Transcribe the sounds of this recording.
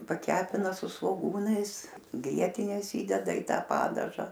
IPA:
pɐˈkʲæːpʲɪnɐ sʊ sʋoːˈɡuːnɐɪs ˈɡrʲiɛtʲɪnʲeːs ˈiːdʲɛdɐ iː ˈtɐ ˈpɑːdɐʒɐ

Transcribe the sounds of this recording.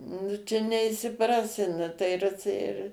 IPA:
nʊ ˈt͡ʃʲɛ nʲɛɪʃʲsʲɪˈprɑːsʲɪ ˈnʊ tɐɪ ˈɪr ɪr

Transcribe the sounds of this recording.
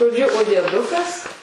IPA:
ʒoːˈd͡ʒʲʊ oː dʲiɛˈdʊkɐs

